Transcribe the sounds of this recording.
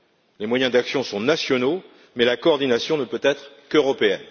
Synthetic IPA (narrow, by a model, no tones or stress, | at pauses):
lemwajɛ̃d̪aksjɔ̃sɔ̃nasjɔno | mɛlakɔːʁd̪inasjɔ̃nəpøt̪ɛt̪χ | køʁɔpeɛn